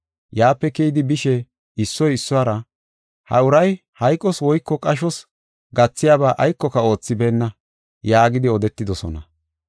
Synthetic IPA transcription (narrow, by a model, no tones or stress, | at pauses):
jaːpːɛkɛjd̪ɪbɪʃɛ | ɪsːɔjɪsːʊwaːɾɐ | hɐ̰ʊɾɐj | hɐjkʼːɔswɔjkːɔkʼɐʃ̬ɔs | ɡɐt͡sːɪjaːbaːʔɐjkːɔkɐo̞ːt͡sːɪbeːnːɐ | jaːɡɪd̪ɪɔd̪ɛt̪ːɪd̪ɔsɔ̰nɐ̰